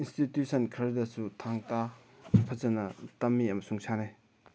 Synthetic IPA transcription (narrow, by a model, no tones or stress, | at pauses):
institjusʰɐnkʰɐɾdɐsutʰaŋtapʰɐzɐnɐtɐmːiɐmɐsuŋsane